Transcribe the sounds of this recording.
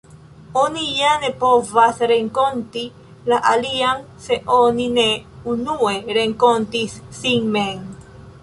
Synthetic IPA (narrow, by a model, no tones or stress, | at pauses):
o̞nijane̞po̞vasɾeŋkonti | laʔalian | se̞ʔo̞nine̞unue̞ɾeŋkontisːiŋmen